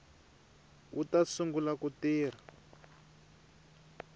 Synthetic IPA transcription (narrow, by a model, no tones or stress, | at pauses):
utasuŋɡulakutiːr̤a